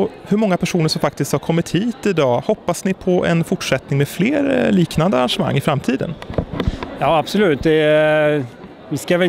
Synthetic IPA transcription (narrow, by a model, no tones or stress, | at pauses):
hɵɾmɔŋːapʰæʂuːnəʂɔmfak̚t̪ɪskt̪haɾkʰɔmːɪt̪hiːt̪ɪd̪ɑːhɔpːasnɪpʰɔʔɛ̰nfʊʈʂɛt̪nɪŋmeːfleːɾliːknand̪əaɾanʂəma̰ŋːɪfɾamt̪ʰiːd̪ə̰n | jɑːabsɔlʉ̟ːt̪̚d̪ɛ | ʋɪskavɛ